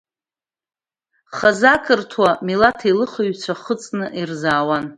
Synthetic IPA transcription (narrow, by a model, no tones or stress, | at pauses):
χazakʰɨrtʰwamilatʰilɨχəɥt͡sʷʰaχət͡sʼnɨʔirzaːwan